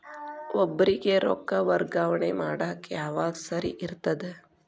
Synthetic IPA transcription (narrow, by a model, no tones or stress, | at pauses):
obɾikeɾo̰kːaʋəɾɡaːʋɳemaːɽakjaːʋaːɡsɐɾḭʔiɾt̪ɐd̪e